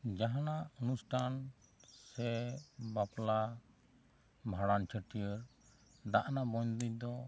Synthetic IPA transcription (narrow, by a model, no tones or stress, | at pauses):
d͡ʒaɦanaunusʈʰan | sɛbapla | bʱaɽant͡ʃʰəʈijəɾ | ɖaʔnabɔɲd̪id̪ɔ